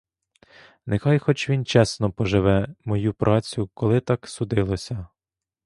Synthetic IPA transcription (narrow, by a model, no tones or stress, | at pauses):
nexɑjxɔt͡ʃʋʲint͡ʃɛsnɔpɔʒɪʋɛmɔjupɾʔɑt͡sʲjʊkɔlˠɪt̪ɑksʊd̪ɪlˠɔsʲɐ